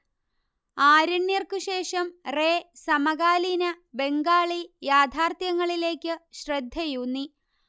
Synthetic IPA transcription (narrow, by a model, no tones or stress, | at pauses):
aːɾɐɳːjirkɨɕe̞ːʂɐmreːsɐmɐɣaːlinɐ | be̞ŋɡaːɭijaːd̪ʱaːrt̪jɐŋːɐɭile̞ːkʲːɨɕrɐd̪ʱjɐjunːi